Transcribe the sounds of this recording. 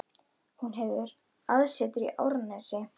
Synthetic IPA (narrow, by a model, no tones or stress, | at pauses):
hunɦɛvðɪɾ | aðsɛːt̪ʏɾḭʔawɾnɛsɛ